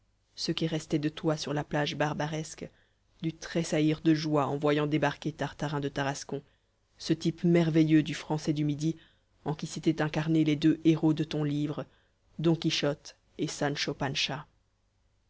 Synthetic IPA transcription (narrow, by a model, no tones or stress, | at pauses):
səkʲiʁɛst̪ɛd̪ət̪wasyʁlaplaʒbaʁbaʁɛsk | d̪yt̪χesaiʁd̪əʒwaɑ̃vwajɑ̃d̪ebaʁkʲet̪aʁt̪aʁɛ̃d̪ət̪aʁaskɔ̃ | sət̪ipmɛʁvejød̪yfχɑ̃sɛd̪ymid̪i | ɑ̃kʲiset̪ɛt̪ɛ̃kaʁneled̪øʔeʁod̪ət̪ɔ̃livʁə | d̪ɔ̃kʲiʃɔt̪ | esanʃɔpanʃa